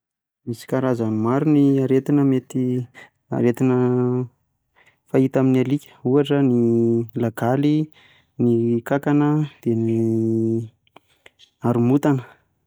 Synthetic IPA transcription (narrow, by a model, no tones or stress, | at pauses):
misi̥kaɾazamaɾuniaɾet̪inəmet̪i | a̰ɾet̪inə | fait̪aminialikʲə̥uaʈ͡ʂənilaɡali | nikakanəd̪̥eni | aɾumut̪anə